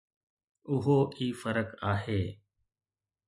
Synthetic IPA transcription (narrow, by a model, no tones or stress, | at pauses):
ʊɦoːʔiːfəɾəkaːɦeː